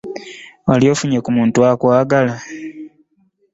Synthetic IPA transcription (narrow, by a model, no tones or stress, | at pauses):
waljoːfuɲekumuːntuakwaːɡala